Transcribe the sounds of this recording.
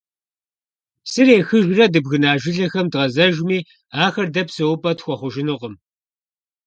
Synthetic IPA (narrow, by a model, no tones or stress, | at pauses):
sɨreːxɨʒrɐdɨbɣɨnaːʒɪɮɐxɐmdʁɐzɐʒmiː | aːxɐrdɐpsɨwʊpʼɐtxʷɔχʷʊʒɪnɨʁəm